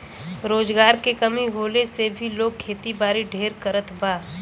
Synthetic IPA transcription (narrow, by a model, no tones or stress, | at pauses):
ɾoːd͡ʒɡaːɾkekəmiɦoːlesebʱiloːɡ̚kʰːeːt̪ibaːɾiɖʱeːɾkəɾət̪baː